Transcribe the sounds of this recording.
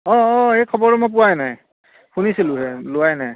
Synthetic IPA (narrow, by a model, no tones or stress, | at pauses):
ɔːejkʰɔbɔɹɛmɔp̬ʊwajnaj | xunisilʊɦɛlʊwajnaj